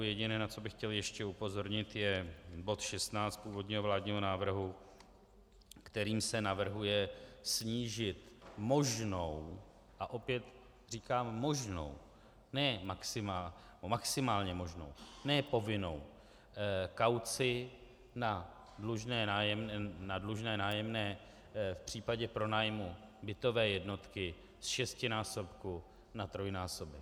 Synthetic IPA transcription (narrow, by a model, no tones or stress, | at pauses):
jɛɟɪnɛːnat͡so̞bɪxcɛljɛʃcɛupo̞zo̞ɾɲɪt̪jɛbo̞t̪ʃɛst̪naːt͡st̪̚puːvo̞dɲiːɦovlaːdɲiːɦo̞naːvr̩ɦu | kt̪ɛɾiːmsɛnavr̩ɦujɛsɲiːʒɪt̪mo̞ʒnow | ʔaʔo̞pjɛt̪ | r̝iːkaːmːo̞ʒno̞̰w | nɛːmaksɪma | maksɪmaːlɲɛmo̞ʒno̞̰wnɛːpo̞vɪno̞̰w | kawt͡sɪ | na | dluʒnɛːnaːjɛmnɛnadluʒnɛːnaːjɛmnɛː | fpr̥iːpaɟɛpɾo̞naːjmubɪt̪o̞vɛːjɛdno̞t̪kɪ | sʃɛscɪnaːso̞pku | nat̪ɾo̞jnaːsobɪ